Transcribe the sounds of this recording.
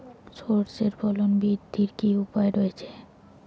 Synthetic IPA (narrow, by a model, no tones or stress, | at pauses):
soɾseɾbʰʱɔlonbid̪ʱːiɾkiupaeɾojet͡ɕʰe̥